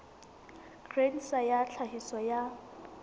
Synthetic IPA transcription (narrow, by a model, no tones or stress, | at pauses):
krenisajaɬʰaɦisɔja